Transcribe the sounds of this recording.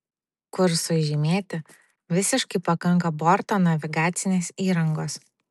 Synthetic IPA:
kʊɾsʊʒʲɪmʲeːt̪ʲɪ | ʋʲɪsʲɪʃkɐɪpɐkɐŋˑkɐbɔɾt̪oːnɐʋʲɪɡɑːt̪sʲɪnʲeːsiːɾɐŋɡoːs

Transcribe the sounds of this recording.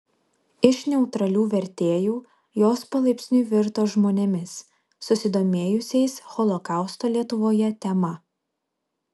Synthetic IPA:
ɪʃnʲɛʊt̪ɾɐlʲuːʋʲɛɾʲt̪ʲeːjuː | joːspɐlˠɐɪpʲsʲnʲuːʋʲɪɾt̪oːʒmoːnʲɛmʲɪsː | ʊsʲɪd̪oːmʲeːjʊsʲɛɪsxɔlˠɔkɑˑʊst̪oːlʲiɛt̪ʊʋoːjɛt̪ʲɛmɐ

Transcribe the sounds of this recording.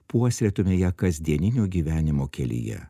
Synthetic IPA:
puɔsʲɾʲɛt̪omʲejɛkɐzʲd̪ʲiɛnʲɪnʲoːɡʲiːʋʲæːnʲɪmoːkʲɛlʲḭjɛ̰

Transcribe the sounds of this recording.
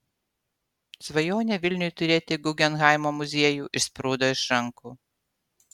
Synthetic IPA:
sʋɐjoːnʲɛʋʲɪlʲnʲʊjt̪ʊɾʲeːt̪ʲɪɡʊɡʲɛnɣɑˑɪmoːmʊzʲiɛjuːʔɪʃsʲpɾuːd̪oːɪʃɾɐŋkuː

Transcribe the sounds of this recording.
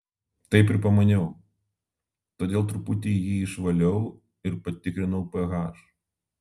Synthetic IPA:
t̪ɐɪpʲɪɾpɐmɐnʲɛʊ | t̪oːd̪ʲeːlˠt̪ɾʊpʊt̪ʲeːjiːɪʃʋɐlʲɛʊ | ɪɾpɐt̪ʲɪkɾʲɪnɐʊpɛɣɑːʃ

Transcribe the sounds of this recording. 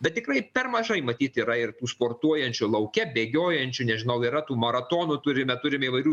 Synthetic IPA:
bʲɛt̪̚t̪ʲɪkɾɐɪpʲɛrmɐʒɐɪmɐt̪ʲiːt̪iːɾɐɪrt̪uːspoːrt̪uɔjɛnʲt͡ʃʲʊlˠɐʊkʲɛbʲeːɡʲoːjɛnʲt͡ʃʲʊnʲɛʒʲɪnɐʊiːɾɐt̪uːmɐɾɐt̪oːnut̪ʊɾʲɪmʲɛt̪ʊɾʲɪmʲɛiːʋɐɪɾʲuː

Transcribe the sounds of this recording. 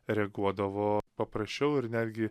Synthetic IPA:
ɾʲɛɡuɔd̪ɐʋoːpɐpɾɐsʲt͡ʃʲɛʊɪɾnʲæːd̪ʲɡʲɪ

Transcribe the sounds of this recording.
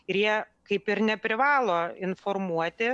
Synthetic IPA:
ɪɾjiɛ | kɐɪpɪɾnʲɛpʲɾʲɪʋɑːlˠoːɪnformuɔt̪ʲɪ

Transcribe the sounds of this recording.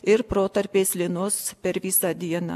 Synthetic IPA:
ɪɾpɾoːt̪ɐɾʲpʲeːsʲlʲɪnʊspʲɛɾʋʲisɑd̪ʲiɛnɑ̰ː

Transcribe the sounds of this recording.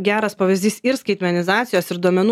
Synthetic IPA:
ɡʲæːɾɐspɑːʋʲɪzʲd̪ʲiːsɪɾskɐɪt̪ʲmʲɛnʲɪzɑːt̪sʲɪjoːsɪɾd̪uɔmʲɛnu

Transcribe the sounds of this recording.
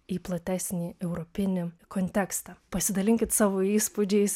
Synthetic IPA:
iːplˠɐt̪ʲæːsʲnʲiːɛʊɾɔpʲɪnʲɪkɔnʲt̪ʲɛkst̪ɑpɐsʲɪd̪ɐlʲɪŋʲkʲɪt̪sɑːʋoːiːspʊd͡ʒʲɛɪs

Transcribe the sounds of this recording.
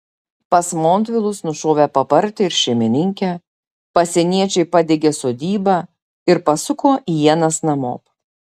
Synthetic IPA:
pɐsmoːnʲt̪ʲʋʲɪlˠʊsnʊʃoːʋʲeːpɐpɐɾʲt̪ʲɪɪɾʃʲɛɪmʲɪnʲɪŋʲkʲɛ | pɐsʲɛnʲiɛt͡ʃʲɛɪpɑd̪ʲeɡʲeːsoːd̪ʲiːbɑ | ɪɾpɐsʊkʰoːʔijiɛnɐsnɐmo̰ːp

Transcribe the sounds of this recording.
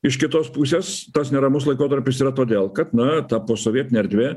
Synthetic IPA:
ɪʃkʲɪt̪oːspuːsʲeːst̪ɐsnʲɛɾɐmʊslˠɐɪkoːt̪ɐɾʲpʲɪsiːɾɐt̪oːd̪ʲeːlˠkɐt̪nɐt̪ɐpoːsoːʋʲiɛt̪ʲɪnʲɛɾʲd̪ʲʋʲeː

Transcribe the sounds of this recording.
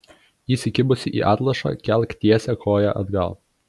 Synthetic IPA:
iːsʲɪkʲɪbʊsʲɪʔḭːʔɑːt̪lˠɐʃɑ̰ːkʲɛlʲˠkt̪ʲiɛsʲɛkʰoːjɛʔɐ̰d̪ɡɐ̰lˠ

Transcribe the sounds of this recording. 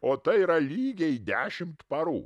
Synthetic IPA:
oːt̪ɐɪiːɾɐlʲiːɡʲɛɪd̪ʲæːʃʲɪmt̪pɐɾṵː

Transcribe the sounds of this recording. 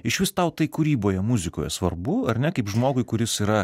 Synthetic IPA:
ɪʃʲʋʲɪst̪ɐʊt̪ɐɪkʊɾʲiːboːjɛmʊzʲɪko̰ːjɛ̰sʋɐ̰rbʊɐrʲnʲɛkɐɪpʒmoːɡʊɪkʊɾʲɪsiːɾɐ

